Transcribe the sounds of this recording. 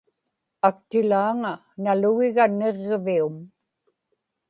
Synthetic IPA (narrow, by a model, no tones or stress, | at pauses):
ak̚t̪ɪlaːŋa | naluɣɪɣane̞ʁvium